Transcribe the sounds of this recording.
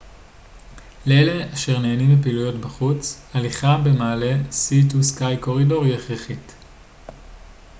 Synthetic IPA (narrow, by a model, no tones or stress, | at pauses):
leele̞aʃe̞ʁneːnimepiːlujo̞tbaχut͡s | aliχabe̞maːle̞situskajko̞ʁido̞ʁjeχʁeχit